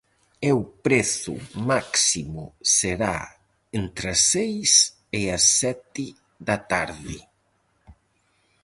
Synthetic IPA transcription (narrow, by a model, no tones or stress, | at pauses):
ewpɾeθʊ̰maksimʊ̰seɾa̰ | ent̪ɾasejs | ɪasːɛt̪ɪ | ðat̪aɾðɪ